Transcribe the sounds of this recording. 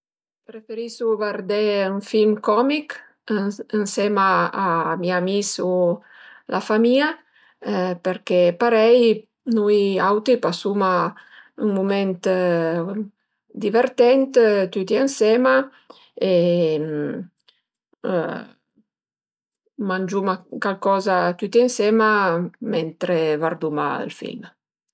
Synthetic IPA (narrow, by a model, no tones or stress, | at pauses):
pɾefeɾisuvaɾd̪eyŋfilmkɔmik | ensɛmaːmiamisu | lʔafamia | peɾkepaɾɛj | nujawt̪ipasumayŋmument̪ | d̪iveɾt̪ɛnt̪t̪yt̪iansɛma | e | mand͡ʒumakalkɔzat̪yt̪iɛnsɛmamɛnt̪ɾevaɾd̪uma̰ə̰lfḭlm